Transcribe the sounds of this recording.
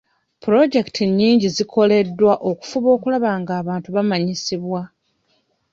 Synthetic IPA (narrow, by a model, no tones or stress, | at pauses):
puɾo̞ɟe̞ki̥tʰiɲːiːɲɟizikʰo̞le̞dːwaʔo̞ku̥fuβo̞ːkulaβaːŋɡaːβaːntuβamaɲisiβwa